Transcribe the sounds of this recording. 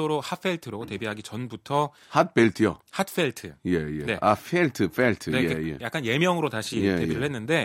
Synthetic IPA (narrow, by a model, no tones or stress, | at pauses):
oɾohap͈ʰe̞ɭtʰɯɾʌɡote̞biɦaɡit͡ɕʌnbutʰʌ | hat̚p͈eɭtʰɯjo̰hat̚ʰfʰeɭtʰɯjejene̞afʰeɭtʰɯfʰeɭtʰɯneeejḛjak͈anje̞mjʌŋɯɾotaɕʰiete̞iɾɯɭhe̞nːɯnde̞